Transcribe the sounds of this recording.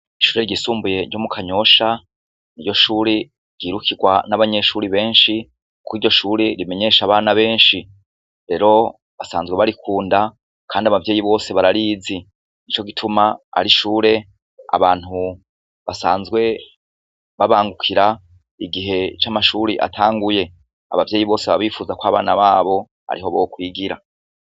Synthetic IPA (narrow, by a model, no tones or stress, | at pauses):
iʃu̥ːɾe̞ɾɟisuːmbuje̞ɟo̞mukʰaɲo̞ʃa | niɟo̞ʃuːɾi | ɾɟ̥iːɾukʰiɡwanaβaɲe̞ʃuːɾiβe̞ːnʃi | kʰwiːɾɟo̞ʃuːɾeɾime̞ɲe̞ːʃaβaːnaβe̞ːnʃi | ɾe̞ɾo̞ | βasa̰ːnzɡwe̞βaɾikʰuːnda | kʰaːndiaβavje̞ːjiβo̞ːse̞βaɾaɾiːzi | nit͡ʃo̞ɡitʰumaa̰ɾiʃuːɾe̞ | a̰βaːn̥hu | βasaːnzɡwe̞ | βaβaːŋɡukʰiɾa | iɡiɦe̞t͡ʃamaʃuɾiʔa̰tʰaːŋɡuje̞ | a̰βavje̞ːjiβo̞ːseβaβiːfuːzakwaːβa̰ːnaβaːβo̞ | a̰ɾiɦo̞βokwiːɡiɾa̰